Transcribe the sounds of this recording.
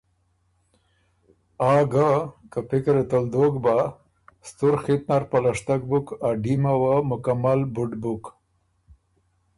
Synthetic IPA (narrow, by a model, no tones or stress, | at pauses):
ɑɡakapɪkɾet̪ald̪oɡba | st̪uɾxit̪̚naɾpalaʂt̪ak̚bukaɖimawamʊkamalbʊɖbuk